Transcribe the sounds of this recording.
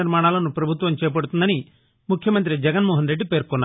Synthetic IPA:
iɾmaːɳaːlɐnupɾɐbʱut̪ʋɐmt͡ʃɛːp̬ɐɽut̪und̪ɐni | mukʰjɐmɐnt̪ɾid͡ʒɛɡɐnmɔːɦɐnɾeɖːipeːɾkɔnːa̰ː

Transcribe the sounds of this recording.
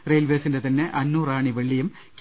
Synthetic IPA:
rejlʋeːsindet̪ɐnːe̞ʔɐnːuːraːɳiʋeɭːijum | k

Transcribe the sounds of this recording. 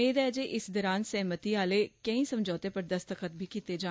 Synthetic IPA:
eːd̪ɛːd͡ʒeːʔɪsd̪ɔːɾaːnsɛɦmət̪iːaːleːkə̃ĩːsəmd͡ʒɔːt̪eːpəɾd̪əst̪əkət̪̚bʱiːkiːt̪eːd͡ʒaː

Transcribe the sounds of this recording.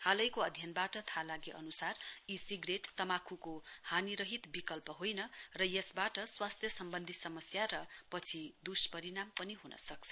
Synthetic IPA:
halʌjkoʌd̪ʱjʌnbaʈʌt̪ʰalaɡeʔʌnusarisiɡreʈt̪ʌmakʰukohaniɾʌɦit̪bikʌlpʌɦojnʌrʌjesbaʈʌswast̪ʰjʌsʌmbʌnd̪ʱisʌmʌsjaɾʌpʌt͡sʰid̪uspʌɾinampʌniɦunʌ̰sʌk̚t͡sʰʌ̥

